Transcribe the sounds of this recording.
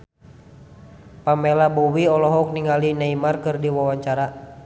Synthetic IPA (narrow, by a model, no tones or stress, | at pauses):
pamɛlabuwiɔlɔɦɔk̚niŋalinaimarkɨrdiwawaɲt͡ʃaɾa